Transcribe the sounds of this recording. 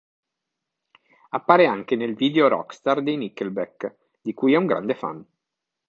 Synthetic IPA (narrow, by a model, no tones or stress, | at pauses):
apːaːɾeaŋkenelviːd̪eoɾɔ̰kst̪ard̪ejnikːelbɛk | d̪ikujɛuŋɡɾa̰nd̪efa̰n